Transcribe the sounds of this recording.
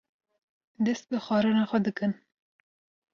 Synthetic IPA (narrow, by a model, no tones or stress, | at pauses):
d̪ɛst̪̚bɨxɑːɾɨnɑxʷɛd̪ɨkɨn